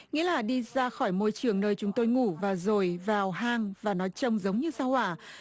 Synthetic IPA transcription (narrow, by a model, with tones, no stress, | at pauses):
ŋḭ˧˥əlaː˨˩ɗi˧zaː˧xɔ˧˩jmo˧jt͡ɕɨ˨˩əŋnəː˧jt͡ɕʊ˨˦ŋ͡mt̪o˧jŋu˧˩vaː˨˩zo˨˩jvaː˨˩wɦaː˧ŋvaː˨˩nɔ˨˦jt͡ɕə˧wŋ͡mzə˨˦wŋ͡mɲɨ˧saː˧whaː˧˩